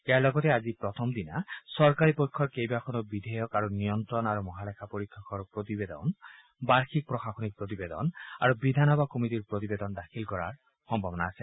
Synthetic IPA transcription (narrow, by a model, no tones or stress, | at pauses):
ealɔɡɔt̪ead͡ʒipɾɔt̪ʰɔmd̪ina̰sɔɾkaɾipɔjkʰːɔɾkejbakʰɔnɔbid̪ʱɛjɔkaɾunijɔnt̪ɾɔnaɾumɔɦalekʰapɔɾit̪ʰːɔkɔɹpɾot̪ibed̪ɔ̰n | baɹkʰik̚pɾɔxaxɔnik̚pɾot̪̬ibed̪ɔ̰na̰ɾubid̪ʱanɔbakomit̪iɾpɾot̪ibed̪ɔnd̪akʰilkɔɾa̰ɹ | xɔmbʱabɔnaːse